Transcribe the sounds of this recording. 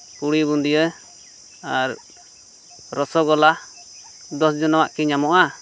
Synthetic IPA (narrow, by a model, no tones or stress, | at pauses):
kuɽibund̪iə | aɾ | ɾɔsɔɡɔla | d̪ɔsd͡ʒɔnɔwaʔkiɲamɔʔa